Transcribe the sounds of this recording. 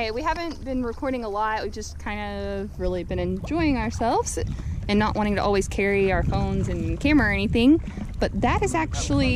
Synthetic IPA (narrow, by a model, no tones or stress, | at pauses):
eɪwiɦævɨ̃nb̥ɨ̃nɹɨkʰɔɹɾɪ̃ŋəlawivd͡ʒʌskʰãɪ̃ndɨvɹɪlˠibɨ̃nɨ̃nd͡ʒɔɪɪ̃ŋəə˞sɛlˠvz̥ɨ̃nːəʔwʔɑ̃ɾ̃ɪ̃ŋtʰɨʔɔlˠwiz̥kʰɛɹiaʊə˞fõʊ̃nzɨ̃nkʰæ̃mə˞ɨɛñiθɪ̃ŋb̥ʌt̪̚ðɨɾɨzæk̚t͡ʃul̩ˠi